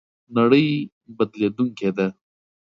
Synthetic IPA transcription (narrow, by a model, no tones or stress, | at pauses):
nɐɽəj | bɐd̪led̪uŋked̪e